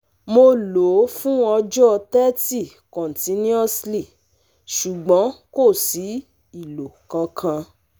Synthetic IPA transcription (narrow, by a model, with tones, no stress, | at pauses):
mo˧lo˨˦fũ˦ɔ˧d͡ʒɔ˦˧tɛ˦ti˦˨ | kɔ̃˨n˨tĩ˨˧˦nĩ˦ɔ˦sli˦˨ | ʃu˨ɡ͡bɔ̃˨˦ko˦˨si˨˦ | i˦˨lo˨kã˧kʰã˧